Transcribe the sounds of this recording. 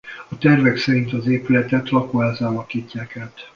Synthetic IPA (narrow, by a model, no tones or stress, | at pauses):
ɒt̪ɛrvɛksɛɾint̪ɒzeːpylɛt̪ɛt̪lɒkoaːzaːlɒkiːcːaːkaːt̪